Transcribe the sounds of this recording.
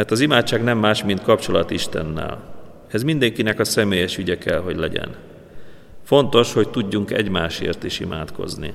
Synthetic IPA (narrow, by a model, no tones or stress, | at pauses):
mɛrt̪ɒzimaːtt͡ʃaːɡnɛmːaːʃmint̪̚kɒpt͡ʃo̞lɒt̪iʃt̪ɛ̰nːɛ̰l | ɛzmind̪ɛŋkinɛkɒsɛmeːjɛʃyɟɛkɛlɦo̞ɟlɛɟɛ̰n | fo̞nt̪o̞ʃho̞ct̪uɟːuŋkɛ̰ɟmaːʃḛːrt̪iʃima̰ːt̪ko̞̰znḭ